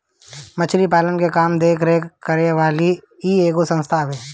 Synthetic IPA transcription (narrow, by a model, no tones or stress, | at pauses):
mət͡ʃʰɾipaːlənkekaːmd̪eːkʰɾəɦekəɾeʋaːli | iːeːɡosə̃nst̪ʰaːʋɦɛː